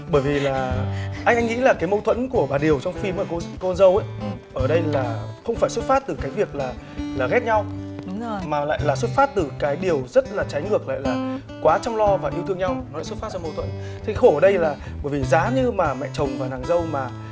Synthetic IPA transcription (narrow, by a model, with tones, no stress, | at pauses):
ɓəː˧˩jvi˨˩laː˨˩ʔa˧jŋ̟ʔa˧ŋŋḭ˧˥laː˨˩kaː˨˦jmə˧wt̪ʰwə̰˧˥nku˧˩əɓaː˨˩ɗi˨˩əwt͡ɕɔ˧wŋ͡mfi˧˩mʔəː˧˩kknzə˧wʔə˨˦jʔəː˧˩ɗə˧jlaː˨˩xə˧wŋ͡mfaː˧˩jswə˦˥t̚faː˦˥t̚t̪ɨ˨˩kaː˨˦jvi˨˩ək̚laː˨˩ | laː˨˩ɣɛ˦˥t̚ɲa˧w | maː˨˩la̰ː˧˨jlaː˨˩swə˦˥t̚faː˦˥t̚t̪ɨ˨˩kaː˨˦jɗi˨˩əwzə˦˥t̚laː˨˩t͡ɕa˨˦jŋɨ˨˩ək̚la̰ː˧˨jlaː˨˩ | kwaː˨˦t͡ɕɔ˧wŋ͡mlɔ˧vaː˨˩ʔi˧wt̪ɨ˧əŋɲa˧wnɔ˨˦a̰˧˨swt̚faː˦˥t̚t͡ɕɔ˧mə˧wt̪ʰwə̰˧˥˦n | t̪ʰi˨˧˦xo˧˩ʔəː˧˩ɗə˧jlaː˨˩ | ɓəː˧˩jvi˨˩zaː˨˦ɲɨ˧maː˨˩mɛ̰˧˨t͡ɕə˨˩wŋ͡mvaː˨˩naː˨˩ŋzə˧wmaː˨˩